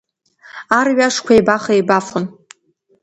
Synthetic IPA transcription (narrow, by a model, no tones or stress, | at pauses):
arɥaʂkʷʰajbaχajbafʊn